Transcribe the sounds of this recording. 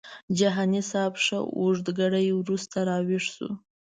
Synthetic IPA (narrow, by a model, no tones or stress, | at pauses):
d͡ʒaɦɑnisɑbʂə̰uʐd̪ɡaɽajwɾust̪aɾɑwiʂsṵ